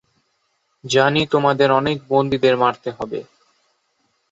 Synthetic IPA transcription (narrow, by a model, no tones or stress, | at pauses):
d͡ʑanit̪omad̪eɾɔnek̚bond̪id̪eɾmaɾt̪eɦɔbḛ